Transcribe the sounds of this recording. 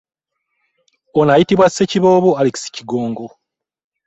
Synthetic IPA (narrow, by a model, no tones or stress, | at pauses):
onajitiβwasːeciβo̞ːβoaliki̥si̥ciɡo̞ːŋɡo̞